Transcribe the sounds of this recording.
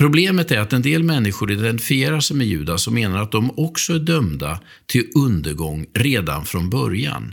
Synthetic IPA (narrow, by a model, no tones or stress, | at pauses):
pʰɾʊbleːmət̪æɾat̪ɛnd̪eːlmɛnːɪɧʊɾɪd̪ɛnt̪ɪ̥fɪeːɾaʂmɛjʉ̟̰ːd̪asɔmːeːnaɾat̪̚d̪ɔmɔksɔæɖœmd̪a | t̪ʰɪlɵnd̪əɾɡɔŋːɾeːd̪a̰nfɾɔnbœɾja̰n